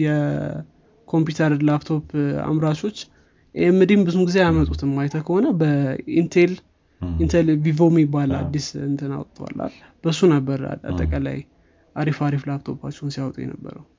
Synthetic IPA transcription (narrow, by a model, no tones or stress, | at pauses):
jɛ | kʰo̞mp̬jut̪ʰəɾlapt̪ʰo̞pʰa̰mɾat͡ʃʰo̞t͡ʃː | ʔemːɨd̪imbɨzumɡize̞jamət̪ʼut̪ʰɨmːajt̪ʰəkʰəho̞nəbəint̪ʰel | int̪ʰelvivomjɪbːalad̪ːisɨnt̪ʰɨna̰wt̪ʼt̪ʰʼːəwa̰lːa̰l | b̥əsunəbːəɾa̰a̰t̪ʼːəkʼala̰j | ʔaɾifaɾiflap̚t̪ʰo̞pʰat͡ʃːɛwnsijawt̪ʼujɛ̰nə̰bːə̰ɾəw